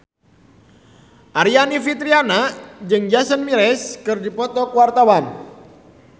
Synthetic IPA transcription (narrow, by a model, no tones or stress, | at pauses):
ʔaɾianifit̪ɾianad͡ʒɨŋd͡ʒasənmiɾɛskɨrdipɔt̪ɔkuwart̪awam